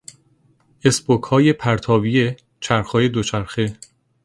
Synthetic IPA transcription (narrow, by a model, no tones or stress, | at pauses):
e̞sbokhɒːje̞pʰæɾt̪ʰɒːvije̞ | t͡ʃʰæɾxɒːje̞d̪ot͡ʃʰæɾxe